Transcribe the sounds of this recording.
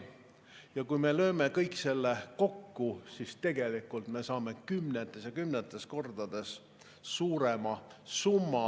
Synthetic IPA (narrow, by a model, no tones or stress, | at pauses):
jɑkujme̞lø̞ːme̞kɤ̞jkːˑse̞lːe̞ko̞kːusist̪e̞ɡ̥e̞likːˑult̪me̞sɑːme̞kymnet̪ːˑe̞sjɑkymnet̪ˑːe̞sko̞rd̪̥ɑd̪̥e̞s | suːɾe̞mɑsumːɑ